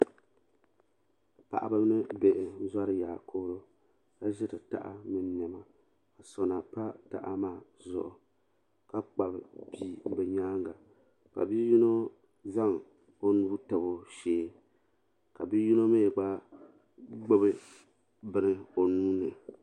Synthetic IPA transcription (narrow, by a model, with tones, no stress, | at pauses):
pa̰˨ʔa̰˨bɨ˦m˦nɨ˦be˨ʔɪ˨˦za˦ɾɨ˦jaː˨kʰo˦ɾo˦ | ka˦ʒɪ˦tɨ˨ta̰˨ʔa̰˦mɨ˨n˦n˨ɛ˨ma˨ | a˨so˨na˨pa˦ta̰˨ʔa˦maː˦˨zʊ̰˨ʔʊ̰˨ | ka˦k͡pa˨bɨ˨pi˨bɛ˨ɲaː˦ŋɡa˨ | ka̰˨bi˦ji˦no˦ | za˦ŋ | o˦nu˦tɨ˨bo˦ʃeː˦ | ka˨bi˦ju˦no˦me˦˨ɡ͡ba˦ | ɡ͡bo˦bɨ˦ | bɨ˦nɨ˦o˨nuː˦nɨ˨